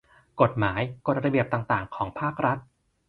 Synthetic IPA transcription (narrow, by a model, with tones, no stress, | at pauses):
ko˨˩t̪̚maː˩˦jko˨˩ɾa˧bi˨˩əp̚t̪aː˨˩ŋt̪aː˨˩ŋkʰɔː˩˦ŋpʰaː˥˩k̚ɾa˦˥t̪̚